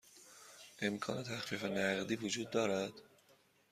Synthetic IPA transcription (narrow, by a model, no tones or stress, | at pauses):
ʔe̞mkʰɒ̰ːne̞t̪ʰæxfiːfenæɣd̪iːvod͡ʒuːd̪̚ːɒːɾæd̪̥